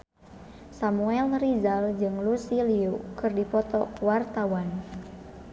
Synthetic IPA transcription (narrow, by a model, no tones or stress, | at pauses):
samuɛlrizald͡ʒɨŋlusiliukɨrdipɔt̪ɔkuwart̪awan